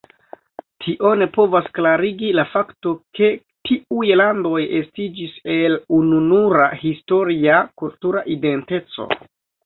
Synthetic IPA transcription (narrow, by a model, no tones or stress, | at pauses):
tʰiʔo̞ne̞po̞vasklaɾiɡilafakto̞ke̞ | tʰiujlando̞jestid͡ʒise̞lununuɾahisto̞ɾiakultuɾaʔide̞nte̞t͡so̰